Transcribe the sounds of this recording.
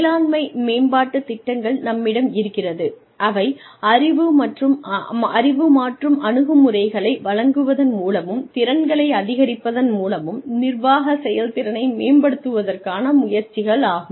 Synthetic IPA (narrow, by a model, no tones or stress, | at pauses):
laːnmɐɪmeːnbaːʈːɯt̪ɪʈːɐŋɡɐɭnɐmːɪɽɐmɪɾɯkːɪrɐðɯ | ʔɐʋɐɪ | ɐrɪʋɯmɐʈrɯmɐrɪʋɯmaːʈrɯmʔɐnɯɣɯmɯrɐɪɣɐɭɐɪʋɐɭɐŋɡɯʋɐðɐnmuːlɐmɯmt̪ɪɾɐnɡɐɭɐɪɐðɪɣɐɾɪpːɐðɐnmuːlɐmɯmnɪrʋaːɣɐsɛjɐlt̪ɪɾɐnɐɪmeːnbɐɽɯt̪ːɯʋɐðɐrkaːnɐmʊjɐɾt͡ʃɪɣɐɭaːɣɯm